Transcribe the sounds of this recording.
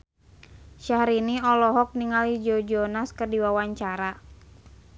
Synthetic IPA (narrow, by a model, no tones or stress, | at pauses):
ʃahɾiniɔlɔɦɔk̚niŋalid͡ʒɔd͡ʒɔnaskərdiwawaɲt͡ʃaɾa